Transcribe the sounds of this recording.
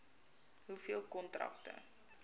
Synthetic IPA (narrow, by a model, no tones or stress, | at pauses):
ɦufiəlˠkɔntrɐ̰k̚tə̰